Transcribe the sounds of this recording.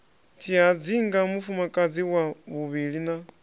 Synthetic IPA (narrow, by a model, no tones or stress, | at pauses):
t͡ʃʰiɦad͡ziŋɡamufumakʼad͡ziwaβuβiɺina